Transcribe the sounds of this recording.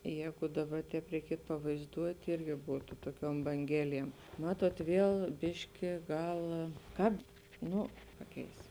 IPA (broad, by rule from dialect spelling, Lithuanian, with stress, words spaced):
ˈjɛːɡʊ ˈdɑːˌbɐ ˈtʲɛːp rʲɛɪˈkʲiɛtʊ pɐʋɐɪzˈduɔtʲ ˈɪrʲɡʲɪ ˈbuːtʊ ˈtuɔˌkʲuɔm bɐŋʲˈɡʲæːlʲiɛm ˈmɑːtuɔt ˈʋʲiɛlˠ ˈbʲɪʃʲkʲɪ ˈɡɐlˠ ˈkɐp ˈnʊ ˈpɑːˌkʲɛɪs